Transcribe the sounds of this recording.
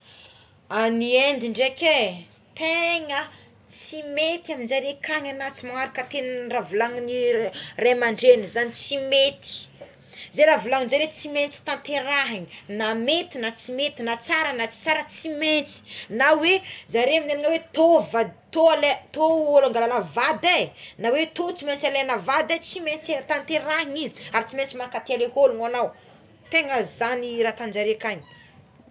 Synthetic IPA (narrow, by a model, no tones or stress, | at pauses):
aniend̪iɳɖ͡ʐeke | t̪eŋə | t͡simet̪iaminzaɾekaŋanat͡simaaɾakət̪ennravulaŋniremaɳɖ͡ʐenizanit͡simet̪i̥ | zeɾavulaŋinzaɾet͡siment͡si̥t̪ãnt̪eɾaɦiɲinamet̪inat͡simet̪inat͡saɾanat͡si̥t͡saɾət͡siment͡si̥nawezaɾeamineniŋəwet̪ovat̪oalet̪oolaŋɡalanəvad̪anawet̪ot͡siment͡salenəvad̪at͡siment͡st̪ant̪eɾaɦiŋinaɾit͡siment͡simakat̪ealeholuŋanaw | t̪eŋəzaniɾat̪and͡ʒaɾekani̥